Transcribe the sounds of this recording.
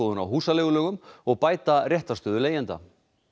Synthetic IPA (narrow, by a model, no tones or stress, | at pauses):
oːðʏna̰wɦuːsaleːɣʏlœːɣʏmɔɣpaːjt̪arjɛht̪ast̪œːðʏleːjɛnt̪a̰